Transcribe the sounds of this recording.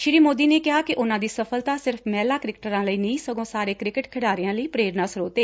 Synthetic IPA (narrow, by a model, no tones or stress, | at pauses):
ʃɪɾiːmoːd̪iːneːkɪɦaːkɪʔʊnãːd̪iːsəpʰəlt̪aːsɪɾfmɛːlaːkɾɪkʈəɾãːləiːnəĩːsəɡõːsaːɾeːkɾɪkɪʈkʰɪɽaːɾɪjãːləiːpɾeːɾnaːsəɾoːt̪eː